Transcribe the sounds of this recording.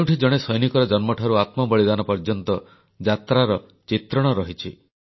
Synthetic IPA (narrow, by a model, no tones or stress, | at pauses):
wʈʰid͡ʒɔɽ̃esɔjnikɔɾɔd͡ʒɔnmɔʈʰaɾuat̪mɔbɔɭid̪anɔpɔɾd͡ʒɔnt̪ɔ | d͡ʒat̪ɾaɾɔ | t͡ʃit̪ɾɔɽ̃ɔɾɔɦit͡ʃʰi